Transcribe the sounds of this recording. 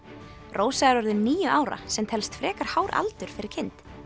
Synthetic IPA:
rʔoːwsaɣaɾɔɾðɪnniːjʏʔaːwɾa̰sɛmt̪ʰɛlst̪fɾɛːkaɾ̥haːwɾa̰lt̪ʏɾ̥fɪɾɪɾ̥cʰɪnt̪

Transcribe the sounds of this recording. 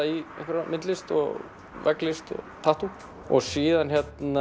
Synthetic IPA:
iḛhkvɪɾamɪt̪lɪst̪ɔ̰ɣ | vɛklɪst̪ɔ̰t̪ʰaht̪u | ɔ̰ɣsiːðançɛt̪na

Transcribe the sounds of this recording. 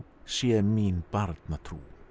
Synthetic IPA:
seːmiːnb̥aɾd̪nat̪ʰɾṵː

